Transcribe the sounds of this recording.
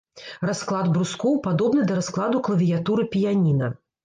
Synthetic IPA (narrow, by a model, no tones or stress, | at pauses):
rasklˠad̪bɾuskɔwpad̪ɔbnɨd̪ɐɾasklˠad̪uklˠɐvʲijat̪uɾɨpʲijanʲinɐ̰